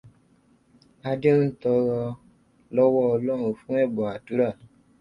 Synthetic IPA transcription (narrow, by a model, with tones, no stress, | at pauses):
a˧de˦n̩˦tɔ˧ɾɔ˧ | lɔ˦wɔ˦ɔ˧lɔ˦ŋo˨fũ˦ɛ˦˨bɔ˨a˨tu˦ɾa˦˨